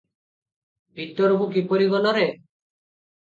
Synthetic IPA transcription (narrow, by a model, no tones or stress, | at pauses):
bʱit̪ɔɾbukipɔɾiɡɔlɔɾe